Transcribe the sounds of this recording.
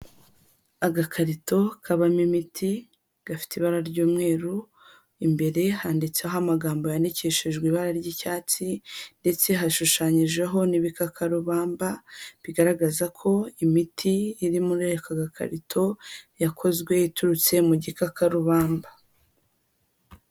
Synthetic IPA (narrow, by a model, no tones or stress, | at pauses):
aɡakʰaɾito̞kʰaβamimitʰi | ɡ̥afi̥teiβaɾaɾɟuːmŋe̞ːɾu | imbe̞ɾe̞haːndit͡seoɦamaɡaːmbo̞jandiceʃiʒɡwiβaɾaɾɟicaːt͡sinde̞t͡se̞ɦaʃuʃaɲiʒeɦo̞niβikakʰaɾuβaːmbaβiɡaɾaɡazakʰo̞imitʰiːɾimuɾekaɡakʰa̰ɾitʰo̞jakʰo̞zɡwe̞jituɾut͡se̞muɟikakaɾuβaːmba